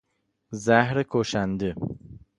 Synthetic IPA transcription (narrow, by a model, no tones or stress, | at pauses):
zæhɾekʰoʃænd̪e